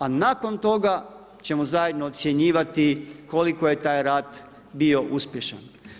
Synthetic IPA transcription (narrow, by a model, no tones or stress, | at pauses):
anako̞nt̪o̞ɡa | t͡ɕe̞mozaje̞d̪noːt̪sje̞ɲiːʋat̪iko̞liko̞je̞t̪aːjɾaːd̪ | bio̞ʔuspje̞ʃa̰n